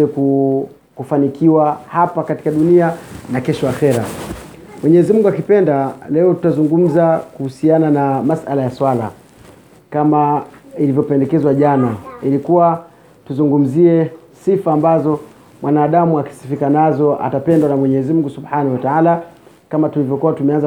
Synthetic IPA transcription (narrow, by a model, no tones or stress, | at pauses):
ɛku | kufanikʰiwahapakati̥kaɗunianakɛʃɔaxɛɾa̰ | mwɛɲɛzimuŋɡuakipɛndalɛɔtu̥tazuŋɡum̩zakuhusiananamasʔalajaswala̰ | kamailivjɔpɛndɛkɛzwaʄanailikuwa | tuzuŋɡum̩ziɛ | sifaːmbazɔ | mwanaːɗamuaki̥si̥fikanazɔa̰tapɛndwanamwɛɲɛzimm̩uŋɡusubħanahwataala | kamatulivjɔkuwatumɛanza